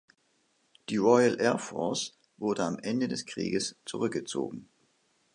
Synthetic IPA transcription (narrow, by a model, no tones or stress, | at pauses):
d̥iːʁɔɪəlʔɛɐfɔ̰ɐs | vʊɐdəamʔɛndədɛskʁ̥ḭːɡəst͡suʁʏk̚ɡ̥ət͡so̰ːɡŋ̩